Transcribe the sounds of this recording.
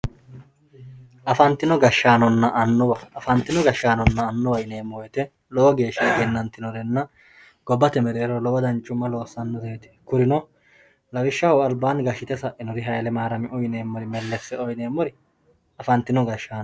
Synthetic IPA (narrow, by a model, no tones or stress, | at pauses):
ʔɐfɐnt̪ːɪnɔɡɐʃːaːnɔnːɐʔɐnːɔwɐɐfɐnt̪ːɪnɔɡɐʃːaːnɔnːɐːnːɔwɐjneːmːɔwɛt̪ɛ | lɔwɔɡe̞ːʃːɐɡɛnːɐnt̪ːɪnɔɾɛnːɐ | ɡ̥ɔbːɐt̪ɛmɛɾeːɾɔlɔwɐd̪ɐnt͡ʃʼʊmːɐlo̞ːsːɐnːɔzeːt̪ɪ̥kʊɾɪnɔ | lɐɡɪʃːɐwɔɐlbaːnɡɐʃɪt̪ɛsɐʔɪnɔɾɪɦɐjlɛmaːɾɐmɪʔɔjne̞ːmːɔɾɪmɛlːɛsːɛɔjneːmːɔɾɪ | ɐfɐnt̪ːɪnɔɡɐʃːaːn